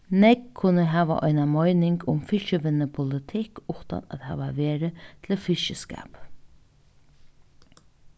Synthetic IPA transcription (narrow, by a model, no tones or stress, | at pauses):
nɛkʰːʊnəɦæːʋa̰ʔɔ̰ɪnamɔɪnɪŋkʊmfɪʃəʋɪnəpʰʊlɪt̪ʰɪkʊht̪a̰næ̰t̪hæ̰ːʋaʋeːɾət̪ʰlɪlfɪʃəska̰ːp